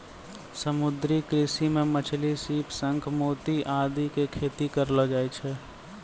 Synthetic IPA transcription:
səmʊd̪ɾikɾɪsimẽmət͡ʃʰlisiːpsə̃ŋkʰmoːt̪iʔaːd̪ikekʰeːt̪ikəɾləd͡ʒaːet͡ʃʰɛ

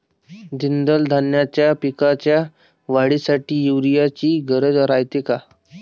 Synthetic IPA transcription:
d͡ʑind̪əld̪ʱanjat͡ɕjapikat͡ɕja | ʋaɽisaʈiːjuʋɾijat͡ɕiːɡəɾəd͡zɾajt̪eka

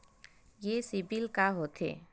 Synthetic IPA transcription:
jesibilkaɦot̪ʰḛː

